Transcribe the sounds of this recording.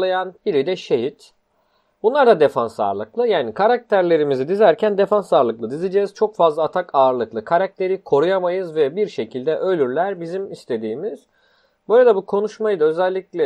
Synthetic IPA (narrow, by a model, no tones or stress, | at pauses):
ajanb̥iɾid̪ɛʃe̞ɦit̪ | bunlˠaɾd̪ad̪e̞fansa̰ɾlˠɯklˠɯjaːnikʰaɾak̚t̪ʰæɾlʲe̞ɾimizid̪izæɾcʰænd̪e̞fansaɾlˠɯklˠɯd̪izid͡ʒɛːz̥t͡ʃʰo̞kfazlˠaːt̪ʰakʰaːɾlˠɯklˠɯkʰaɾak̚t̪ʰe̞ɾikʰo̞ɾujamajɯzvɛbiɾʃe̞cʰilʲd̪ɛʔø̞lʲyɾlʲæɾbizimist̪ʰe̞d̪iːmiz̥ | bøjlʲed̪ɛbukʰo̞nuʃmajɯd̪aø̞zɛlʲːiclʲɛ